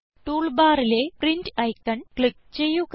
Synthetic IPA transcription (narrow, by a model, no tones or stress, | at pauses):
ʈuːɭbaːɾileːpɾiɲt͡ɕɐjkːɐɳkɭik̚t͡ɕejːuk